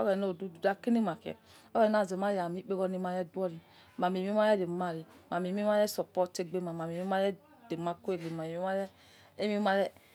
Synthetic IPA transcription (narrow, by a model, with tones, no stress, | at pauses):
ɔ̰˦bɛ˨no˦˨du˦˨du˨da˦ke˦ni˦˨ma˨kɛ̰˨ | ɔ˦bɛ˨na˦˨ze˨ma˦ja˨mi˦k͡pe˦ɣɔ˦ni˦ma˨ɾɛ˦du˦ɔ˦ɾi˨ | ma˨me˨mi˦m˦a˦ɾɛ˦de˨ma˦˨ɾi˨ma˨mi˨˦mi˦ma˦ɾɛ˦sɔ˨pɔ˦te˦˨ɡ͡be˦ma˨ma˨mi˨˦i˦ma˦ɾɛ˦ | de˨ma˦ko˦e˨ɡ͡be˨ma˨mi˦ma˦ɾɛ˦ | e˦mi˦ma˦ɾɛ˦